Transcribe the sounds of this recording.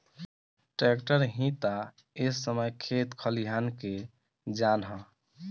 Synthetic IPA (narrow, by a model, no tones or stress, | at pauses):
ʈɾekʈəɾɦĩt̪a | esːəməjkʰet̪kʰəliɦanke | d͡ʒanɦə̃